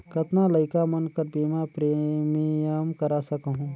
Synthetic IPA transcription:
kɐt̪nalɐɪkamɐnkɐɾpiːmapɾeːmijəmkɐɾasɐkɦũ

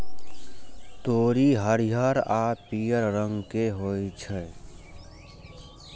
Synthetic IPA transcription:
t̪oːɾiɦəɾiɦəɾaːpiːəɾɾə̃ŋɡkeɦoːit͡ʃʰɛ

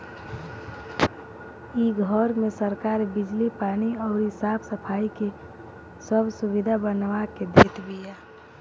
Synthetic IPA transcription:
iɡʱɔɾmẽsəɾkaːɾbɪd͡ʒlipaːniɔːɾɦɪsaːbsəpʰaːike | səbsʊʋɪd̪ʱabənʋaked̪ʱeːt̪bijaː

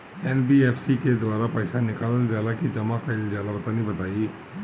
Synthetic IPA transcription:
ɛːnbieːfʰsiked̪waːɾapəɪsanɪkaːlld͡ʒjaːd̪akid͡ʒɐmakaɪld͡ʒjaːd̪abɐt̪aːnibɐt̪aːi

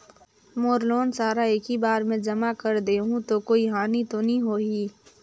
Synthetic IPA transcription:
moːɾloːnsaːɾaeːkibaːɾmẽd͡ʒɐmakəɾd̪eːɦũt̪okoːiɦaːnit̪onəɦĩɦoːɦiː

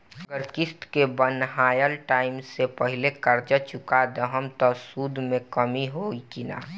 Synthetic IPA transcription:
əɡəɾkɪst̪kebənɦaːjəlʈaːɪmsepəɦɪlekəɾd͡ʒət͡ʃʊkad̪əɦəmt̪ɔsuːd̪ʱmẽkəmiɦoikina̰ː

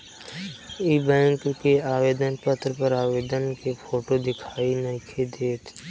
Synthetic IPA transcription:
iːbɛ̃ːŋkkeaːʋeːd̪ənpət̪ʰɾəpɐɾaːʋeːd̪ənkepʰoːʈod̪ɪkʰaːinɐkʰed̪eːt̪ʰ

